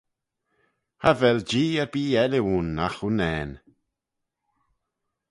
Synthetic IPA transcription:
havɛld͡ʒiːɛɾbiːɛlɪuːnːaxunɛːn

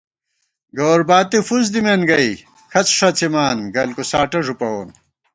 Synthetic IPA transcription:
ɡoːɾbaːt̪ifuz̬d̪imenɡɐi | kʰɐt͡sʂɐt͡simaːnɡɐlkusaːʈɐʐupɐoːn

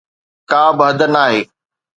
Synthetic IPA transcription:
kaːbɪɦəd̪ənaːɦeː

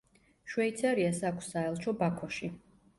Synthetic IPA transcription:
ʃwɛit̪sʰɛɾiasakʷʰsaɛlˠt͡ʃʰɔbakʰɔʃi

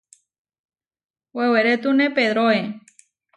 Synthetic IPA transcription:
weweɾet̪unepeðɾoe

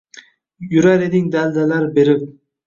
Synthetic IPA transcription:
jʊɾaɾed̪ɪŋd̪ald̪alaɾbe̞ɾɪp̚

